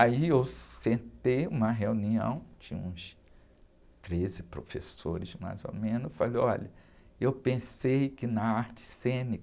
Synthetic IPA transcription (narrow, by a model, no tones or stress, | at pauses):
aiewsẽnt̪ejũmɐɦeũniɐ̰̃w̃t͡ʃĩɲɐ̃ũs | t̪ɾezɪpɾofesoɾɪzma̰jzo̰mẽnʊsfaloɔʎɐ | ewpẽsejkɪnɐaɾt͡ʃɪ̥sẽnik